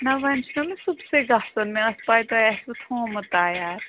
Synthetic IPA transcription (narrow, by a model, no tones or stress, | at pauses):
nɐʋɐnt͡ʃʰnɐmẽsubseɡɐɦsɐnmẽɐspaːjt̪oɛsut̪ʰhõːmɐt̪aːjaːɾ